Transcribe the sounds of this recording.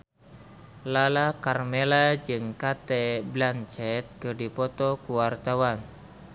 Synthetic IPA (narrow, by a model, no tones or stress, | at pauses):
lalakarmelad͡ʒɨŋkat̪ɛblant͡ʃɛt̪̚kɨrdipɔt̪ɔkuwart̪awan